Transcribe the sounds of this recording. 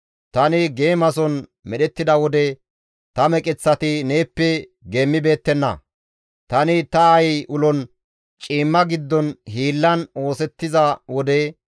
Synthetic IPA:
t̪ɐnɪɡe̞ːmɐsɔn | mɛɗɛt̪ːɪd̪ɐwɔd̪ɛ | t̪ɐmɛkʼɪt͡sːɐt̪ɪneːpːɛ | ɡeːmːɪbe̞ːt̪ːɛnːɐ̰ | t̪ɐnɪt̪ɐɐjʔʊlɔn | t͡ʃʼiːmːɐɡɪd̪ːɔnɦiːlːɐno̞ːsɛt̪ːɪzɐwɔd̪ɛ

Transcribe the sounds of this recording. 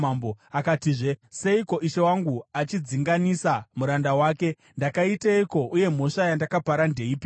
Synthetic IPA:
amboakatiʐe̞se̞iko̞ʔiʃe̞waŋɡuat͡ʃid͡ziŋɡanisamuɾandawaːke̞ | ndakaitaiko̞ʔuje̞m̤o̞ʂajandakapaɾande̞iːpi

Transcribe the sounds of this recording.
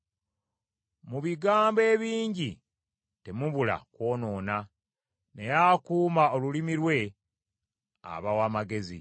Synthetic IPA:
muβiɡaːmbe̞ːβiːɲɟi | te̞muβula̰kwo̞ːno̞ːna | ne̞jakuːmao̞lulimiɾwe̞ | a̰βawaːmaɡe̞zḭ

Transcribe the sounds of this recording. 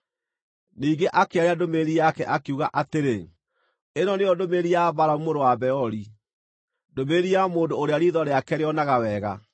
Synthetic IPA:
niːŋɡeʔakeaɾeadomeɾiakɛ̰ʔakeuɣaʔateɾe | enɔneɔdomeːɾiaβaɾaumoɾowabɛɔɾi | domeːɾiamoːndoːɾeaɾiðɔɾeakɛɾeɔnaɣawɛːɣa̰

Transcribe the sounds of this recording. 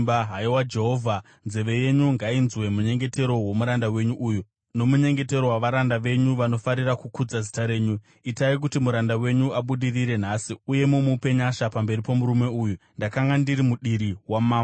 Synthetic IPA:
baɦaiwad͡ʒeɦovʱa | nze̞ʋe̞je̞ɲuŋɡainzwe̞muɲe̞ŋɡe̞te̞ɾo̞wo̞muɾandawe̞ɲuʔuːju | no̞muɲe̞ŋɡe̞te̞ɾo̞waʋaɾandaʋe̞ɲuʋano̞faɾirakukud͡zazitaɾe̞ːɲu | itaik̬utimuɾandawe̞ɲuaɓuɗiriɾe̞n̤aːsiuje̞mumupe̞ɲaʃapambe̞ɾipo̞muɾume̞uːjundakaŋɡandiɾimuɗiɾiwamaːm

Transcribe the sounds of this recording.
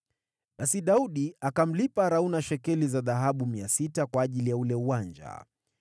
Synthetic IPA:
ɓasiɗauɗiakam̩lipaɾaunaʃɛkɛlizaðaɦaɓumiasitakwaːʄilijaulɛuwand͡ʒa̰

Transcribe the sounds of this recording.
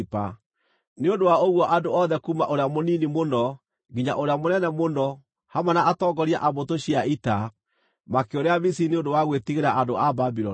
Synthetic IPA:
pa | neondowaoɣwɔʔadoɔðɛkuːmaʔoɾeamoninimonɔ | ŋɡiɲaʔoɾeamonɛnɛmonɔ | hamanaʔatɔŋɡɔɾia̰ʔabotoɕiaita | makeoɾeaβisineondowaɣwetiɣeɾaʔandoababiɾɔ

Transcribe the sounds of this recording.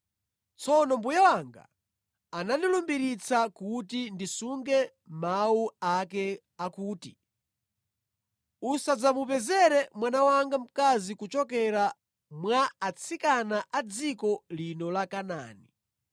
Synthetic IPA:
t͡sʰɔnɔmbujawaŋɡa̰ | anandilumbiɾit͡sʰakutindisuŋɡɛ | mauakɛ | akuːti | usad͡zamupɛzɛɾɛmwanawaŋɡam̩kazikut͡ʃɔkɛɾa | mwaat͡sʰikanaʔad͡zikɔlinɔlakana̰ːni

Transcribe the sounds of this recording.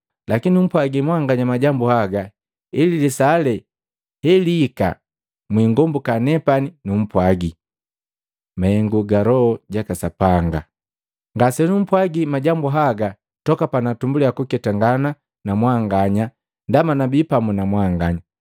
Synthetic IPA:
lakinium̩pwaɡimwaŋɡaɲamaɟambuhaɡa | ililisalɛ | hɛliːka̰ | mwiːŋɡɔmbukanɛpaninum̩pwaɡi | maɛŋɡuɡaɾɔɔɟakasapaŋɡa | ŋɡasɛnum̩pwaɡimaɟambuɦaɡa | tɔkapanatumbuliakukɛtaŋɡana | namwaŋɡaɲa | ndamanabipamunamwaŋɡaɲa

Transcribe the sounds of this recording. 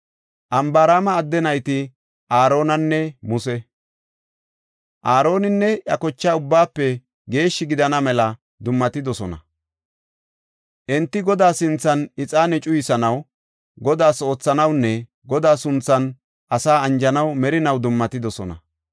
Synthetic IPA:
ʔɐmbaɾaːmɐːd̪ːɛnɐjt̪ɪ | ʔaːɾo̞ːnɐnːɛmʊsɛ | ʔaːɾo̞ːnɪnːɛʔɐkɔt͡ʃːaːʊbːaːpːɛ | ɡe̞ːʃːɪɡɪd̪ɐnɐmɛlɐ | d̪ʊmːɐt̪ɪd̪ɔsɔnɐ̰ | ʔɛnt̪ːɪɡɔd̪aːsɪnt͡sːɐnɪt͡sʼaːnɛt͡ʃʼʊjɪsɐnɐw | ɡɔd̪aːso̞ːt͡sːɐnɐwnːɛ | ɡɔd̪aːsʊnt͡sːɐn | ʔɐsaːɐnd͡ʒɐnɐwmɛɾɪnɐwd̪ʊmːɐt̪ɪd̪ɔsɔ̰nɐ̰

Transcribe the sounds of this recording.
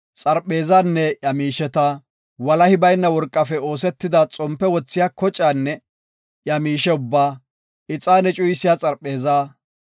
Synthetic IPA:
t͡sʼɐɾpʼːe̞ːzaːnːɛjɐmiːʃɛt̪ɐ | wɐlɐhɪbɐjnːɐwɔɾkʼːɐfɛo̞ːsɛt̪ːɪd̪ɐt͡sʼɔmpːɛwɔt͡sːɪjaːkɔt͡ʃʼːaːnːɛ | ʔjɐmiːʃɛʊbːaː | ɪt͡sʼːaːnɛt͡ʃʼʊjsɪjat͡sʼɐɾpʼːeːzaː

